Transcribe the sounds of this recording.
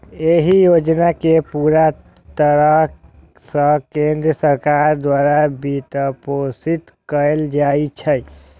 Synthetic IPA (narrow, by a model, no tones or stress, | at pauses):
eɦijod͡ʒnakepuɾa | t̪əɾəɦ | sə̃kend̪ɾəsəɾkaɾd̪waɾabit̪əposit̪ | kəeld͡ʒajt͡ʃʰəj